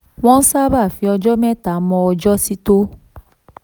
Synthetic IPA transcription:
w̃ɔ̃˦n̩˦sa˦ba˦˨fi˨˦ɔ˧d͡ʒɔ˦mɛ̃˦˨ta˨˦mɔ̃˧ɔ˧d͡ʒɔ˦si˦to˦

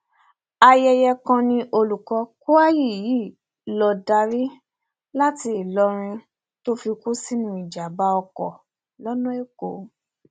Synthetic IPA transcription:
a˧jɛ˧jɛ˧kã˧nĩ˧ʔo˧lu˨kɔ˧ku˦a˦ji˦˨ji˨˦˨ | lɔ˧da˧ɾi˦ | la˦ti˧i˨lɔ˧ɾ̃ĩ˧ | to˦fi˧ku˦si˦nũ˧˦i˨d͡ʒa˨ba˨˦ɔ˧kɔ˨ | lɔ˦nɔ̃˦e˦ko˨

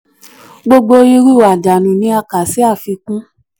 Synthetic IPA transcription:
ɡ͡bo˧ɡ͡bo˧˦i˧ɾi˦˨wa˨da˨nũ˨nĩ˧˦a˧ka˨si˨˦a˦˨fi˧kũ˦

